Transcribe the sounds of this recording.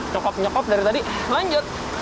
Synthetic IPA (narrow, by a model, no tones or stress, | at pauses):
t͡ʃɔkɔp̚ɲɔkɔp̚daɾit̪adiʔlaɲd͡ʒʊt̪̚